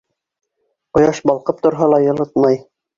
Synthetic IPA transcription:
qŏjɑʃbɑlˠqɤp̚t̪ŏɾɦɑlˠɑjɤ̆lˠɤt̪mɑj

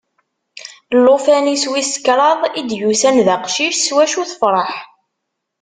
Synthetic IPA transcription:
lːofæniswiskːɾˤɑðˤid̪jusænðəqʃiʃswæʃuθəfɾˤɑħ

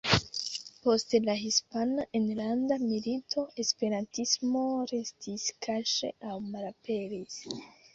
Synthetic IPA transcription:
postlaɦispanaʔenland̪amilit̪ʰoespeɾantismoɾestʰiskʰaʃḛʔawmalapelis

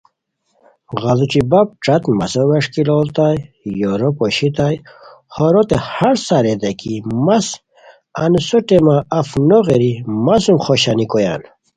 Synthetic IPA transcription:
ɣaluʈ͡ʂibap̚ʈ͡ʂat̪ma̰soweʂkilolt̪aj | joɾopoɕit̪aj | hoɾot̪ehaɾsaɾed̪ekimas | ansoʈemaafnoɣeɾimasumχoɕanikoja̰n

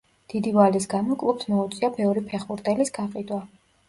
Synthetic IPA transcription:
d̪̥id̪ivalisɡamɔkʼlˠupsmɔut̪sʼiabɛvɾipʰɛχbuɾt̪ʼɛlisɡaqʼid̪wa

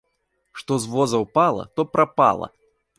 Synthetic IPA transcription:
ʂt̪ɔzvɔzɐwpalˠɐ̰t̪ɔpɾapa̰lˠɐ̰

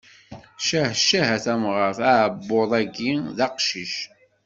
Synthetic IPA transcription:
ʃæhʃæɦæθæmʁəfæʕbːoðˤæɡiðɑqʃiʃ

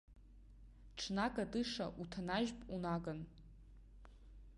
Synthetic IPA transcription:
ʈ͡ʂʰnakʼadɨʂa̰ʔutʰanaʒpʼunaɡan

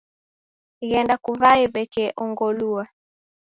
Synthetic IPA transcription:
ɣɛndakuvaɛbɛkɛʔɔŋɡɔlua

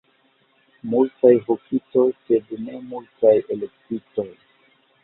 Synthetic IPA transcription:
multajɦokʰito̞jsedne̞multajelek̚tito̞j

